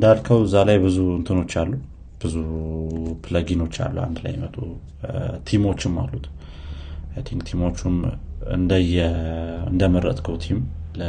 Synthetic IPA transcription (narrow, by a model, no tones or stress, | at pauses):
ɨnd̪alkʰəwzalajbɨzuɨnt̪ʰɨno̞t͡ʃːalːu | b̥ɨzu | pʰɨləɡino̞t͡ʃːa̰lːṵwa̰nd̪la̰jmət̪ʼu | t̪ʰimo̞t͡ʃːɪmːa̰lːut̪ | t̪ʰiŋɡt̪ʰimo̞t͡ʃːumɨ̰nd̪əjɛɨ̰nd̪əməɾːə̰t̪ʼkʰəwt̪ʰimlə